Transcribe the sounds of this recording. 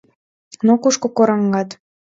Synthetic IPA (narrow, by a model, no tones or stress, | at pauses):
nokuʃkokoɾɑŋɡɑt̪